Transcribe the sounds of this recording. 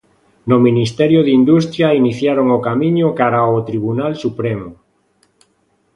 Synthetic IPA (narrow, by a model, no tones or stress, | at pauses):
nʊminist̪ɛɾjoðind̪ust̪ɾjainiθjaɾoŋokamĩɲʊkaɾaot̪ɾiβunalsupɾemo